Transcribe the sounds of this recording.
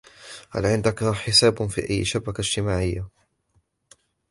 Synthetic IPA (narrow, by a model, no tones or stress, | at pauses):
ha̰lʕɪnd̪akħɪsaːbfḭːʔajːʃabakad͡ʒt̪ɪmaːʕɪjːa